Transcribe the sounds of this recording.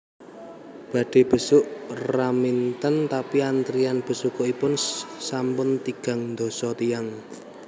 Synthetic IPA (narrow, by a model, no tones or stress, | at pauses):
b̥ä̤ɖ̥e̤b̥ə̤sʊʔramint̪ənt̪apiant̪ɾijanb̥ə̤sukoipʊnsampʊnt̪iɡ̥ä̤ŋnd̪osɔt̪ijaŋ